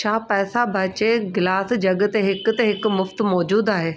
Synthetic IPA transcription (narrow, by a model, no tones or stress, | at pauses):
t͡ʃʰaːpɛːsabʱɐt͡ɕeɡɪlaːsd͡ʑɐɠt̪eɦɪkʊ̆t̪eɦɪk̆mʊft̪mɔːd͡ʑuːd̪aːɦeː